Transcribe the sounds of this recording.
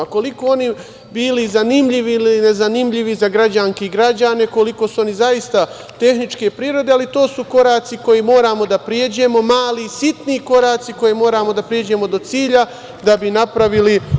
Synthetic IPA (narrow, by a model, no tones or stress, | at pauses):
ko̞liko̞o̞ni | biːlizanimʎiʋiiliine̞zanimʎiʋizaɡɾad͡ʑaŋkeɡɾad͡ʑane̞ko̞liko̞suo̞nizaist̪a | t̪e̞xnit͡ʃke̞pɾiːɾo̞d̪e̞alit̪o̞ːsuko̞ɾaːt̪siko̞jimo̞ːɾaːmo̞d̪apɾjed͡ʑe̞mo̞maːlisit̪niko̞ɾaːt̪siko̞jemo̞ːɾaːmo̞d̪apɾjed͡ʑe̞mo̞d̪o̞t̪siːʎa | d̪abinapɾaʋili